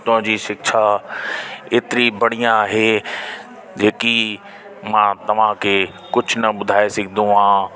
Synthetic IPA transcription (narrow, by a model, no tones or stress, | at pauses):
t̪ɐ̃d͡ʑiːʃɪkʃa | eːt̪ɪɾibɐɽ̃ijãaːɦeː | d͡ʑeːki | mãːt̪ɐʋ̤ãkʰe | kʊd͡ʑʱʊnɐɓʊd̪ʱaːesɪɡʱɪnd̪ũɦãː